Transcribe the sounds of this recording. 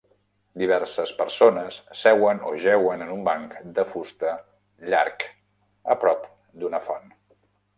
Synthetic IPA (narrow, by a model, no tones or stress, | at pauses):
d̪iβ̞ɛɾsəspəɾsonəsːɛwəno̰ʒɛwənənumbaŋkd̪əfust̪ə | ʎa̰ɾk | əpɾɔp | d̪unəfɔn